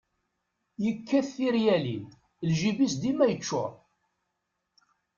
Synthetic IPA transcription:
jəkːæθːiɾjælin | lʒibisd̪imæjət͡ʃːʊ̰

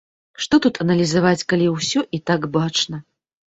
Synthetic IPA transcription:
ʂt̪ɔt̪ut̪ʰɐnɐlʲizavat͡sʲkalʲiwsʲɔʔit̪aɡbat͡ʂnɐ

